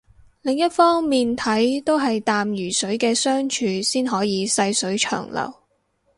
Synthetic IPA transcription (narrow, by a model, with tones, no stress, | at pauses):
lɪ˨ŋjɐ˥t̚fɔː˥ŋmiː˨nt̪ʰɐ˨˥jt̪o˥wɦɐ˨jt̪aː˨mjyː˨˩sɵ˨˥ɥkɛː˧sœː˥ŋt͡ʃʰyː˧siː˥nɦɔː˨˥jiː˨˧sɐ˧jsɵ˨˥ɥt͡ʃʰœ̰ː˨˩ŋlɐ̰˨˩w